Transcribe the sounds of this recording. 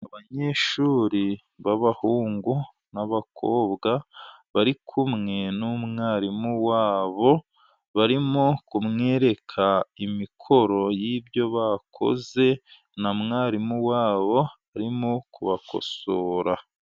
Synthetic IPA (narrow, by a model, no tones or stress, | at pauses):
aβaɲe̞ːʃuːɾi | βaβahuːŋɡu | naβakʰoːβɡaβaɾikʰumŋe̞numŋaːɾimuwaːβo̞ | βaɾimokumŋe̞ːɾe̞kʰaimikʰo̞ɾo̞jibjo̞βakʰo̞̰ze̞ | namŋaːɾimuwaːβo̞ | aɾimokuβako̞̰soːɾa